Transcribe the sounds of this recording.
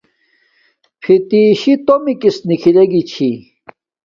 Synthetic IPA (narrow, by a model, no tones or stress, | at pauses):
pʰit̪iːɕit̪omikisnikʰileɡit͡ɕʰi